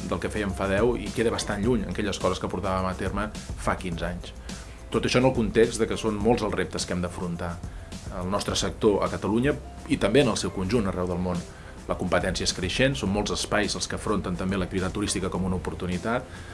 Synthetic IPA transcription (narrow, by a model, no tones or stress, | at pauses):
d̪əlˠkəfɛjəɱfaðɛwḭkeðəβəst̪anʎuɲə̰ŋkɛʎəskɔzəskəpuɾt̪aβəmət̪erməfakinzaɲs | t̪ot̪əʃɔənəlˠkunt̪ekzd̪əkəsonmolˠzəlˠrep̚t̪əskɛmd̪əfɾunt̪aəlˠnɔst̪ɾəsək̚t̪oʔə̰kət̪əluɲə | it̪əmbeənəlˠsɛwkunʲʒunərɛwðəlˠmon | ləkumpət̪ɛnsiəeskɾəʃensonmːolˠzəspajzəlˠskəfɾont̪ənt̪əmbelək̚t̪iβit̪at̪ːuɾist̪ikəkɔmunəupuɾt̪unit̪at̪̚